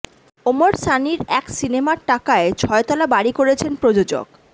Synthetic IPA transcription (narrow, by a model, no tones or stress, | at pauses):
omoɾsaniɾɛksinemaɾʈakaet͡ɕʰɔet̪alabaɽikoɾet͡ɕʰenpɾod͡ʑod͡ʑo̰k